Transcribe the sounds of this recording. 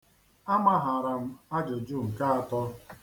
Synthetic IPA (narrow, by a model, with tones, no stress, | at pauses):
a˦ma˦ɦa˨ɾa˨m̩˦a˦d͡ʒo˨d͡ʒu˦˨ŋ̩˨ka˦a˨tɔ˦